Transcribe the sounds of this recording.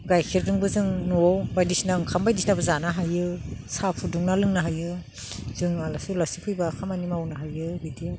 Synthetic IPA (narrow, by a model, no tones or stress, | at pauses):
ɡajkʰiɾdɯŋbɯzɯŋnuɔwbajdisnaɯŋkʰambajdisnabɯzanaɦajɯsapʰuduŋnalɯŋnaɦajɯ | z̥ɯŋalasulasipʰɯjbakʰamanimawnaɦajɯbidi